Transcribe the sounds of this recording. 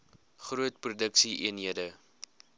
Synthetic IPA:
χruətprudəksiʔiənɦiədə

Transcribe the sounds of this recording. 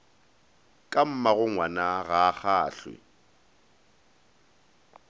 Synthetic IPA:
kʼam̩maɣʊŋwanaɣaχaːɬwɪ̰

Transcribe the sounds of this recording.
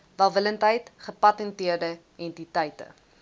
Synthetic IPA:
vælˠvələntɦəjtχəpɐtɛntiərdə | ɛntitəjtə̰

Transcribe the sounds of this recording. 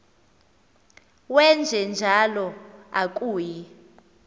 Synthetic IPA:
wɛnd͡ʒʱɛnd͡ʒʱalɔak̬ʼuːji

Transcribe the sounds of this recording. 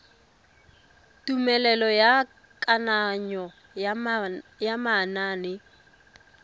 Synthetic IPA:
tumɛlɛlɔja | kʼanaɲɔ | jamanaːnɪ

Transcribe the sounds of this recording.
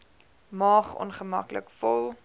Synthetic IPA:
mɑːχɔ̰nχəmɐklə̰kfɔlˠ

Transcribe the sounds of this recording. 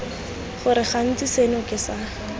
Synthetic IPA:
χʊɾɪχan̩t͡sisenʊkʼɪsa

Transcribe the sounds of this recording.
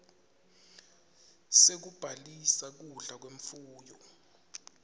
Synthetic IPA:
sek̬ub̥ʱalisak̬uɮak̬weɱfuːjɔ

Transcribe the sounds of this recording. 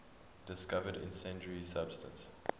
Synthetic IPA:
d̥ɪskavədɪ̰̃nsɛ̃nt͡ʃəɹisab̥stə̃ns

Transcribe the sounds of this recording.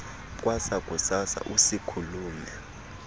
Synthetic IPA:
k̬ʼwasakʼusasa̰ʔusikʰuluːmɛ

